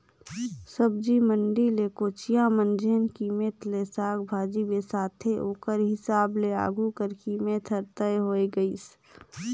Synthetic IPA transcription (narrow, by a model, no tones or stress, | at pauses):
səb̚d͡ʒiməɳɖileːkoːt͡ʃijãmənd͡ʒeːnkiːmet̪lesaːkbʱaːd͡ʒibesaːt̪ʰeʔoːkəɾɦɪsaːblea̰ːɡʱukəɾkiːmet̪ʰəɾt̪əeɦoːiɡəiːs